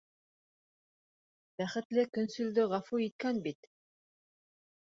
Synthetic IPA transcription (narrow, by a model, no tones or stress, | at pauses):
bæχɘ̆t̪lɘkɵ̆nsʉ̆ld̪ɵʁɑfuit̪̚kænbit̪